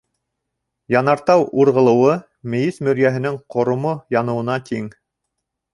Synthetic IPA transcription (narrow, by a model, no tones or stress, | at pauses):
jɑnɑɾt̪ɑwuɾʁɤ̆lˠɤ̆wɤ | mɘ̆jismɵ̆ɾjæɦɘ̆nɘŋqŏɾŏmojɑnɤ̆wɤ̆nɑt̪iŋ